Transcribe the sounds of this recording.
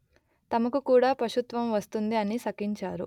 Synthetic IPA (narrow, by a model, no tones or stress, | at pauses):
t̪ɐmɐkukuːɽaːpɾɐʃut̪ʋɐmʋɐst̪und̪iɐnisɐkiɲt͡ʃaːɾu